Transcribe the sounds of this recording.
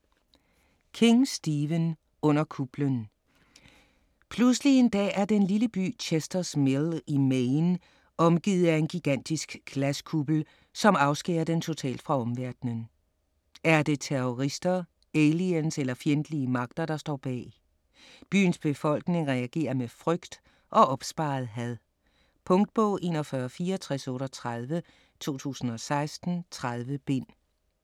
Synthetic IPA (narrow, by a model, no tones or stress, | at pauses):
kʰe̝ŋsd̥iːʋən | ɔ̽n̰ɐkʰub̥lən | pʰluslie̝nd̥ɛ̰ːæɐd̥enliləb̥y̰ːt͡ɕʰesd̥ɐsmelimeɪn | ɒ̽mɡ̥ḭːð̩ˠæe̝nɡ̥iɡ̥æn̰d̥isɡ̥læskʰub̥l̩ | sɒ̽mɑ̈ʊsɡ̥ḛːɐd̥ent͡sʰo̝t͡sʰɛ̰ːld̥fʁɑ̈ɒ̽mʋæɐd̥nən | æɐd̥e̝t͡sʰeʁoʁisd̥ɐ | elienselɐfjend̥əliəmɑ̈ɡ̥̚d̥ɐɾ̥ɑ̈sd̥ɒ̰ːb̥ɛ̰ː | b̥y̰ːnsb̥e̝fɒ̽l̰ɡ̥ne̝ŋʁɛæɡ̥e̝̰ːɐmefʁœɡ̥d̥ | ʔɒ̽ʔɒ̽b̥sb̥ɑ̈ːð̩ˠɦæðˠ | pʰɔ̽ŋd̥̚b̥ɔʊ̰e̝̰ːnɒfɶɐfiːɐɒt͡sʰʁɛsɔ̽ːɾɒt͡sʰʁað̞ˠʋə | t͡sʰo̝̰ːt͡sʰṵːsn̩ɒ̽sɑ̈ɪsd̥n̩t͡sʰʁað̞ˠʋəb̥e̝n̰